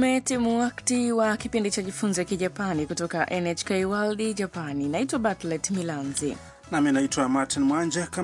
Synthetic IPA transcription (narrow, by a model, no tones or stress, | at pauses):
mɛtimuwaktiwakipindit͡ʃaʄifunzɔjakiʄapanikutɔkaʔɛnɛt͡ʃkɛiwalɗiʄapaninaitwaɓatlɛtmilanzḭ | naminaitwamatinmwand͡ʒaka